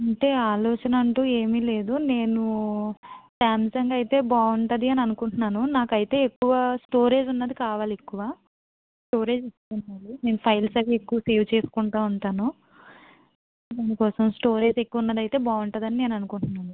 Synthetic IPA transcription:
ɐɳʈe̞ːaːlɔːt͡ʃɐnɐɐɳʈuːeːmiːle̞ːd̪une̞ːnu | saːmsɐŋɡɐjt̪e̞ːbaːuɳʈɐd̪iɐniɐnukuɳunːaːnunaːkɐjit̪e̞ːekːuʋɐsʈo̞ːɾe̞ːd͡ʒunːɐd̪ikaːʋaːliekːuʋaː | sʈo̞ːɾe̞ːd͡ʒist̪unmɐline̞ːnupʰɐjlsɐliekːuʋɐse̞ːʋt͡ʃe̞ːsu̥kuɳʈaːuɳʈaːnu | dɐːnikɔːsɐmsʈo̞ːɾe̞ːd͡ʒe̞kːuʋunːɐd̪ɐjit̪e̞ːbaːuɳʈɐd̪ɐnine̞ːnuɐnukuɳʈunːaːnu

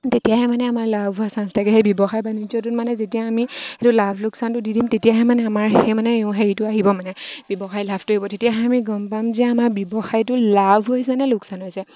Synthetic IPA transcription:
tetijaɦɛmanɛamaɹlabʱuasanstʰakɛɦejbɔbɔxajbanid͡ʒɔtutmanɛzetijaːmiɛtʊlabʱlʊksantʊdidimtetijaɦɛmanɛamaɹhemanɛeʊ̃ɦeɹitʊaɦibɔmanɛb̥jɔbɔxajlabʱtʊɦibɔtetijaɦɛamiɡɔmpamzɛamaɹbjɔbɔxajtʊlabʱɦojsɛnɛlʊksanɦojsɛ

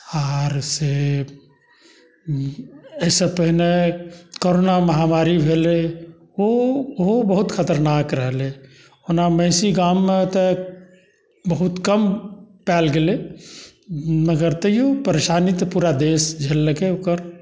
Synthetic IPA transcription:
aːɾse | ɛsepəɦɪnekoɾoːnaməɦaːmaːɾibʱele | oɦobəɦʊt̪kʰət̪əɾnaːkɾəɦle | onamə̃ɪsiɡaːmːẽt̪e | bəɦʊt̪kəmpɛːlɡele | məɡəɾt̪əjopəɾeːʃaːnit̪puːɾad̪eːsd͡ʒʱelːəkeukəɾ

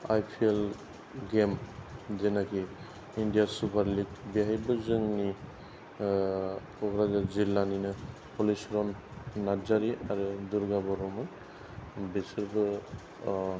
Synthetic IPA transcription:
a̰jpʰiel | ɡemdenakʰi | indijasupʰaɾliɡ̚biɦajbɯzɯŋni | pʰɔɡɾazazilːaninɯ | pʰɔlisɾɔnːad͡ʒaɾiaɾɯduɾɡabɔɾɔmɯn | bisɯɾbɯ

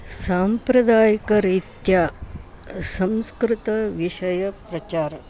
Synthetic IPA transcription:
saːmpɾɐd̪aːjikɐɾit̪jaː | sɐmskɾɪt̪ɐʋiʃɐjɐpɾɐt͡ʃaːɾɐ

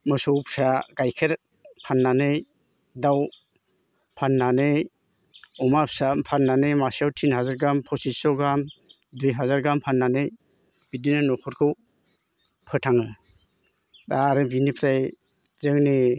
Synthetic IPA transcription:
mɯsɔwpʰsaɡajkʰeɾ | pʰanːanɯj | daw | pʰanːanɯj | ɔmapsapʰanːanɯjmasawtʰinɦazaɾɡampʰɔsisɔɡam | dujɦazaɾɡampʰanːanɯj | b̥idinanɔpʰɔɾkʰɯw | pʰɯtʰaŋɯ | daɾɯbinipʰɾaj | zɯŋni

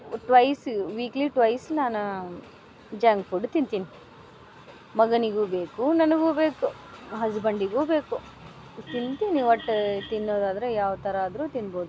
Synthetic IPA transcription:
ʈʋɐjsʋiːkliʈʋɐjsnaːnu | d͡ʒaːŋɡfuɖt̪int̪ini | mɐɡɐniɡuːbeːkunɐnɐɡuːbe̞ːku | ɦɐsbɐɳɖiɡuːbe̞ːku | t̪int̪iniʋɐʈːt̪inːoːd̪aːd̪ɐɾejaːʋɐt̪ɐɾɐːd̪ɾuːt̪inːbo̞ːd̪u

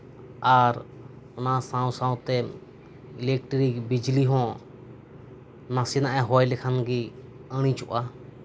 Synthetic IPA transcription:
aɾ | ʊnasãw̃sãũt̪ɛ | ilɛk̚ʈɾikbid͡ʒliɦɔ̃ | nasinaʔɛɦɔjlɛkʰanɡi | əɽ̃ĩt͡ʃʊʔa

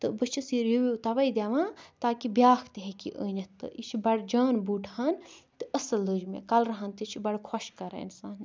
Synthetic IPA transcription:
t̪ɨbət͡ʃʰisiɾjubiut̪ɐʋɐjd̪eʋãt̪aːkibjaːkʰt̪iɦekḭʔə̰ːnɐt̪ːɨ̰ʔit͡ʃʰibɐɽd͡ʒaːnbuːʈʰhɐnt̪ɨɐsɐlːəd͡ʒmḛkɐlɾɐɦɐnt̪ɨt͡ʃʰibɐɽkʰɔʃkɐɾa̰ḭnsaːn

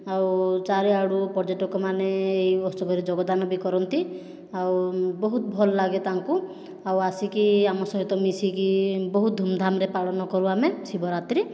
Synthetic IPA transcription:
awt͡ʃaɾeaɽupɔɾd͡ʒeʈɔkɔmaneːjɔst̪ɔbʱɔɾid͡ʒɔɡɔd̪anɔbikɔɾɔnt̪i | awbɔɦut̪ɔbʱɔlɔlaɡet̪aŋku | awasikiamɔsɔɦit̪ɔmisikibɔɦut̪̚d̪ʱumd̪ʱamɾepaɭɔnɔkɔɾuamesibɔɾat̪ɾi

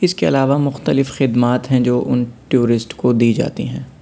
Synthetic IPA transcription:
ɪskeɐ̰laːʋamʊxt̪əlɪfxɪd̪maːt̪ɦɛ̃d͡ʒoːʔʊnʈjuːɾɪsʈkod̪iːd͡ʒa̰ːt̪iɦɛ̃ː

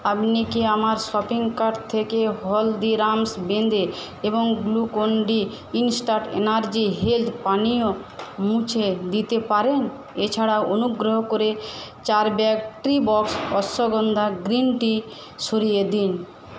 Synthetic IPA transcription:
apnikeamaɾʃɔpiŋkaɾɖt̪ʰekeɦɔld̪iɾamsbend̪e | eboŋɡlukoɳɖi | insʈaʈḛnaɾd͡ʑiɦelt̪ʰpaniomũt͡ɕʰed̪it̪epaɾen | et͡ɕʰaɽawʔonuɡɾoɦokoɾet͡ɕaɾbɛkʈɾibɔksɔsoɡɔnd̪ʱaɡɾinʈi | ʃoɾijed̪in

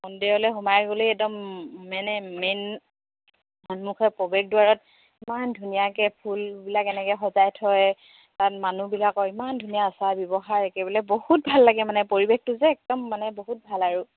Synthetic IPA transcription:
mɔndiɔlɛɦumajɡoloɛdɔmmanɛmen | manmukʰɛpɔbɛk̚duwaɹɔt̚ | imandʱunijakɛpʰulbilakɛnɛkɛxɔzajtʰɔj | tatmanubilakɔimandʱunijaːsabjɔbɔxaɹɛkɛbɔlɛbohut̚bʱalːaɡɛmanɛpoɹibek̚tʊzɛːk̚dɔmːanɛboɦut̚bʱalaɹu

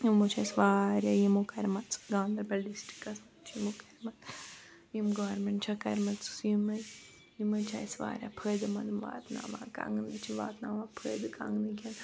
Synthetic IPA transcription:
jiot͡ʃʰajsʋaːɾʲjajimokɐɾʲmɐt̪t͡sɡãːnd̪ɐɾbɐlɖisʈɾi̥kːɐsmɐt͡ʃʰjimokɐɾʲmɐt̪ | jimɡoːɾmeɳʈt͡ʃʰɐkɐɾmɐt̪t͡sɨ̥sjimɐz | jimɨt͡ʃʰaːjsʋa̰ːɾja̰pʰəːd̪ɨmɐd̪ɨmʋa̰ːt̪na̰ːʋa̰ːka̰ŋɡɨnd̪ɨt͡ʃʰiʋa̰ːt̪naːʋaːpʰəːjd̪ɨka̰ŋɡnikʲɐn

